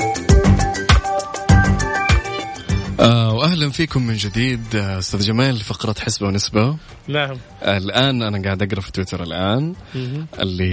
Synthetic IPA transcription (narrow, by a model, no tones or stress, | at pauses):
ʔaːwʔahlanfiːkʊmːɪnd͡ʒɪd̪iːd̪ʔʊst̪aːðd͡ʒamaːlfɑqɾˤɑt̪ħɪsbawnɪsba | naʕm | alʔaːnʔanaɡaːʕɪd̪ʔɑɡɾˤɑfi̥t̪wɪt̪ɑɾˤalʔaːnʔɪ̰lːi